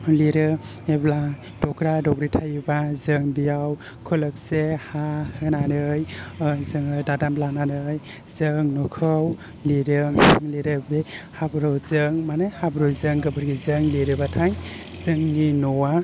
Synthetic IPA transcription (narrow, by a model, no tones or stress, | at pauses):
liɾɯ | ebla | dɔɡɾadɔɡɾitʰajbazɯŋbijaw | kʰɯlɯk̚sehahɯnanɯjzɯŋɯdadamlananɯj | zɯŋnɔkʰɯw | liɾɯliɾɯbehabɾawzɯŋmanajhabɾɯwzɯŋɡɯbɯɾɡizɯŋliɾɯbatʰajzɯŋninɔwa